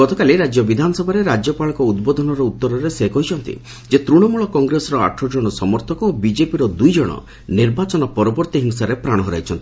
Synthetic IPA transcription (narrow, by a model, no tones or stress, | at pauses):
ɡɔt̪ɔkaleɾad͡ʒjɔbid̪ʱanɔsɔbʱaɾeɾad͡ʒjɔpaɭɔkɔud̪bɔd̪ʱɔnɔɾɔut̪ːɔɾɔɾesekɔɦit͡ʃʰɔnt̪ḭ | d͡ʒet̪ɾuɽ̃ɔmuɭɔkɔŋɡɾesɔɾɔa̰ʈʰːɔd͡ʒɔɽ̃ɔsɔmɔɾt̪ʰɔkɔobid͡ʒepiɾɔd̪ujd͡ʒɔɽ̃ɔ̰ | niɾbat͡ʃɔnɔpɔɾɔbɔɾt̪iɦiŋsaɾepɾaɽ̃ɔɦɔɾa̰jt͡ʃʰɔnt̪i̥